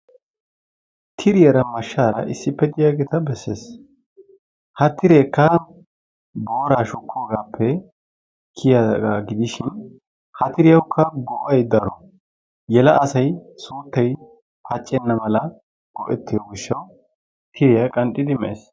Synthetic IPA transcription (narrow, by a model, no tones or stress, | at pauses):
t̪ʰɪɾɪjɐɾɐmɐʃːaːɾɐ̰ʔɪsːɪpːɛd̪ɪjaːɡeːt̪ɐbɛsːḛːs | hɐt̪ːɪɾeːkːɐ | bo̞ːɾaːʃʊkʰːoːɡaːpʰːɛ | kʰɪjaɡaːɡɪd̪ɪʃɪn | hɐt̪ɪɾɪjɐwkʰːɐɡoːʔɐjd̪ɐɾɔ | jɛlɐʔɐsɐjsuːt̪ːɐj | pɐt͡ʃʼːɛnːɐmɐlɐ | ɡ̥ɔ̰ʔɛt̪ːɪjɔɡɪʃːɐw | t̪ʰɪɾɪjɐkʼɐnɗɪd̪ɪmɛʔḛːs